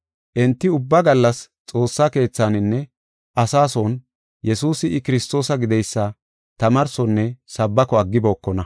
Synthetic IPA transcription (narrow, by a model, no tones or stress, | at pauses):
ʔɛnt̪ːɪʊbːɐɡɐlːɐs | t͡sʼo̞ːsːake̞ːt͡sːanɪnːɛ | ʔɐsaːsoːn | jɛsuːsɪɪkɪɾɪst̪o̞ːsɐɡɪd̪ɛjsːɐ | t̪ɐmɐɾsɔnːɛsɐbːɐkɔɐɡːɪboːkːɔnɐ